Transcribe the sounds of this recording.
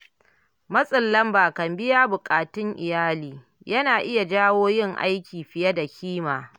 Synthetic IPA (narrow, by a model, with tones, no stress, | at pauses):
mɐ˦sʼɪ˨lːɐ˦mbaː˨kɐ˨mbɪ˦jaː˦bʊ˨kʼaː˨tʊ˦ŋʔɪ˨jaː˦liː˨ | jɐ˦naː˨ʔɪ˦ja˨d͡ʒaː˦woː˦jɪ˦ŋʔa̰˦jkʲiː˨ɸɪ˨jɐ˦da˨kʲʰiː˦maː˨